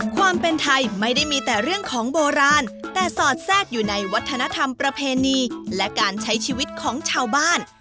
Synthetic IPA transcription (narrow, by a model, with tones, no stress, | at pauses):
kʰwaː˧mpe˧nt̪ʰa˧jma˥˩jda˥˩jmiː˧t̪ɛː˨˩ɾɯ˥˩əŋkʰɔː˩˦ŋboː˧ɾaː˧nt̪ɛː˨˩sɔː˨˩t̪̚sɛː˥˩k̚juː˨˩na˧jwa˦˥t̪ʰːa˧na˦˥t̪ʰa˧mpɾa˧pʰeː˧niː˧lɛ˦˥kaː˧nt͡ɕʰa˦˥jt͡ɕʰiː˧wi˦˥t̪̚kʰɔː˩˦ŋt͡ɕʰaː˧wbaː˥˩n